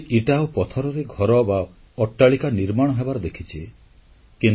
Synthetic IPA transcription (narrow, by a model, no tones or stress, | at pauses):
ʔiʈawpɔt̪ʰɔɾɔɾeɡʱɔɾɔba | ɔʈːaɭikaniɾmaɽ̃ɔɦebaɾɔd̪ekʰit͡ʃʰi | kin